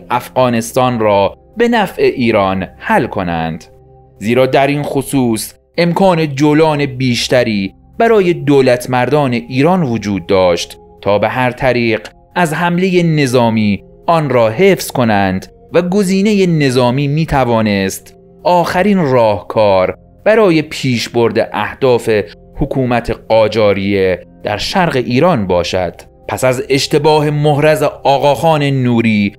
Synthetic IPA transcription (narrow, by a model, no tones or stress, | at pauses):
ʔæfɣɒːne̞st̪ɒːnrɒː | be̞næfʔe̞ʔiːɾɒːnhælkʰo̞næ̰nd̪̥ | ziːɾɒːd̪æɾiːnxosuːs | ʔe̞mkʰɒːne̞d͡ʒolɒːne̞biːʃt̪æɾiː | b̥æɾɒːje̞d̪oːlæt̪ʰmæɾd̪ɒːne̞ʔiːɾɒːnvod͡ʒuːd̪̚ːɒːʃt̪ | t̪ʰɒːbeɦæɾt̪ʰæɾiːɢ | æzhæmle̞je̞ne̞zɒːmiː | ʔɒːnɾɒːɦe̞ːfz̥ko̞nænd̪ | væɡo̞ziːne̞je̞ne̞zɒːmiːmiːt̪ʰævɒːnest̪ | ʔɒːxæɾiːnrɒːhkʰɒːɾ | b̥æɾɒːje̞pʰiːʃbo̞ɾd̪ḛʔæhd̪̥ɒːfe̞ | hokʰuːmæt̪ʰeɢɒːd͡ʒɒːɾije̞d̪̥æ̰ɾʃæɾɣeʔiːɾɒːnbɒːʃæ̰d̪̥ | pʰæsæze̞ʃt̪e̞bɒːhe̞mohɾæzeɒːɣɒːxɒːne̞nuːɾiː